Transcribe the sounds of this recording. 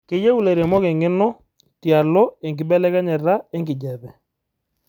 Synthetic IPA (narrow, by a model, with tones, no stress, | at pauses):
kɪ˨jɛ˦u˦lɛ˨ɾjɛ˨mɔ˦kɛ˨ŋɪ˦nɔ˦ | tja˨lɔ˦e˨ŋɡɪ˨bɛ˦lɛ˦kɛ˦ɲɛ˨ra˦ɛ˦ŋɡɪ˨d͡ʒɛ˨bɛ˨